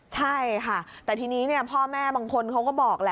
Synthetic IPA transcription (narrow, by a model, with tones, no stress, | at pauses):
t͡ɕʰa˥˩jkʰa˥˩t̪ɛː˨˩t̪ʰiː˧niː˦˥ni˥˩ɐpʰɔː˥˩mɛː˥˩baː˧ŋkʰo˧nkʰa˦˥wkɔː˥˩bɔː˨˩k̚lɛ˦˥